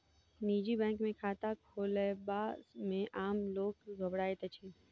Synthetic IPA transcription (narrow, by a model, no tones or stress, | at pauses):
niːd͡ʒibɛ̃ːŋkmẽkʰaːt̪akʰoːləbaːmẽʔaːmloːkɡʱobɽaːet̪ət͡ʃʰi